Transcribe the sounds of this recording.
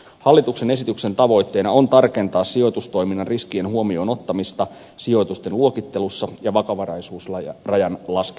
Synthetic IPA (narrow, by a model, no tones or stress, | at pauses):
hɑlːit̪ukse̞ne̞sit̪ykse̞nt̪ɑʋo̞jt̪ːe̞jnɑo̞nt̪ɑrke̞nt̪ɑːssio̞jt̪ust̪o̞jminːɑnriskienɦuomio̞ːno̞t̪ːɑmist̪ɑ | sio̞jt̪ust̪e̞nluo̞kit̪ːe̞lusːɑjɑʋɑkɑʋɑrɑjsuːsrɑjɑnlɑsk